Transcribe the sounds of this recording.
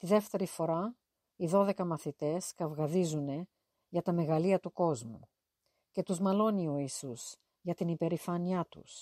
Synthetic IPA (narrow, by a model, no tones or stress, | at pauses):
t̪iðe̞ft̪e̞ɾifo̞ɾɐ | iðo̞ðe̞kɐmɐθit̪e̞skɐvɣɐðizune̞ | ʝɐt̪ɐme̞ɣɐliɐt̪uko̞zmṵ | ce̞t̪uzmɐlo̞nio̞isus | ʝɐt̪inipe̞ɾifɐniɐt̪ṵs